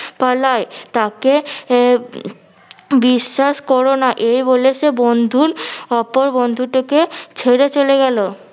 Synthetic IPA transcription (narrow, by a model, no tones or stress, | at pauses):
palaet̪ake | biʃːaʃkɔɾonaʔejboleʃebond̪ʱuɾɔpoɾbond̪ʱuʈeket͡ɕʰeɾet͡ɕoleɡɛlo